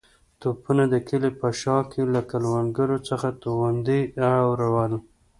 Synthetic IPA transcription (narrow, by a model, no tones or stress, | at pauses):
t̪opunad̪əkʰəlepəʃɑkʰelakalwanɡaɾot͡səxat̪oɣand̪iaɽawɾawəl